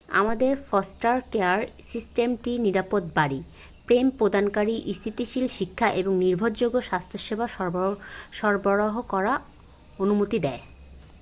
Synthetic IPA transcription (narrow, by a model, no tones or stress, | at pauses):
a̰mad̪eɾfɔsʈaɾkeaɾsisʈemʈiniɾapot̪baɽi | pɾempɾod̪ʱankaɾiʔist̪ʰit̪iʃilʃikʰːaʔeboŋniɾbʱod̪d͡ʑoɡoʃast̪ʰoʃebaʃɔʃɔɾboɾoɦokɔɾa | onumot̪id̪ɛe